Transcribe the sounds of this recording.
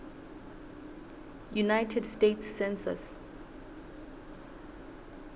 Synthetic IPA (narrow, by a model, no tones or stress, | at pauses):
junajtʰɛdstetsːɛ̃nsa̰s